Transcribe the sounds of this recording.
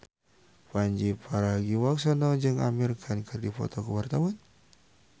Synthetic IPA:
paɲd͡ʒipʰaɾaɡiwaksanɔd͡ʒɨŋa̰mirkʰankʰɨrdifɔ̰t̪ɔkəwart̪awan

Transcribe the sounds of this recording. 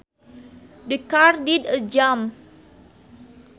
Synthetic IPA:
dəkardidəd͡ʒam

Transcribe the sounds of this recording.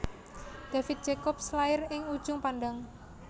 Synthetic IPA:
d̪̥a̤fɪt̪̚d̥d͡ʒ̥ekɔp̚slaɪrɪŋud̥ʒ̥ʊŋpanɖaŋ

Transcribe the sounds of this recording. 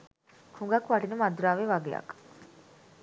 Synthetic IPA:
huŋɡɐkuʋɐʈinumɐd̪uɾaːʋeʋɐɡejɐ̰k

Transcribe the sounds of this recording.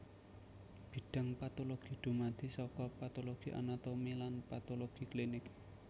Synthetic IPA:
b̥i̤ɖ̥ə̤ŋpat̪oloɡ̥i̤ɖ̪̥ṳmad̪̥i̤sɔkɔpat̪oloɡ̥iʔa̰nat̪omilanpat̪oloɡ̥i̤klinɪk

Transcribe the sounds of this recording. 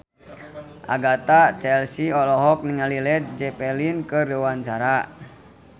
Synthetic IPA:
ʔa̰ɡat̪at͡ʃɛlsiɔlɔɦɔk̚niŋalilɛt̪̚d͡ʒɛpɛlinkərdəwaɲt͡ʃaɾa

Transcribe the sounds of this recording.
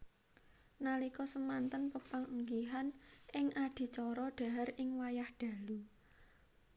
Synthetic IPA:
nalikɔsəmant̪ənpəpaŋuŋɡiɦanʔɪŋʔad̪̥i̤t͡ʃɔɾɔɖ̥a̤ɦaɾɪŋwajahɖ̥a̤lu

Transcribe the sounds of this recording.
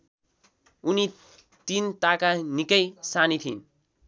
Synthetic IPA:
uni | t̪int̪akanikʌjsanit̪ʰin

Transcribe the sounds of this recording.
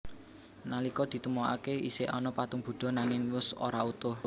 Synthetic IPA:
nalikɔd̪̥i̤t̪əmoa̰keḭseʔɔnɔpat̪uŋb̥ṳɖ̪̥ɔ̤naŋɪŋwʊso̰ɾaut̪ʊh

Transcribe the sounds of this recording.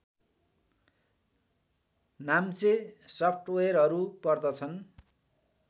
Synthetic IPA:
namt͡sesʌpʰʈwerɦʌɾupʌrd̪ʌt͡sʰʌn

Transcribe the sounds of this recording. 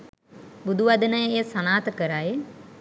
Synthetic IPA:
bud̪ʱuʋad̪ənəjesɐnaːt̪kəɾaːe

